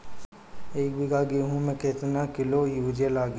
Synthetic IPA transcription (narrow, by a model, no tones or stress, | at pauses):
eːkbɪɡaɡeːɦũmẽkɪt̪nakɪlojuːd͡ʒelaːɡ